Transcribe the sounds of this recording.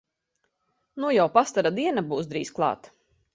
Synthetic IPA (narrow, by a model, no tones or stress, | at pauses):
nujawpast̪aɾad̪iɛnabuːsd̪ɾḭːsklˠɑ̰ːt̪